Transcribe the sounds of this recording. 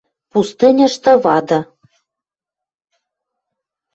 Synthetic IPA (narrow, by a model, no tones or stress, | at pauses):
pust̪ɨnʲɤ̆ʃt̪ɤ̆βɑd̪ɤ̆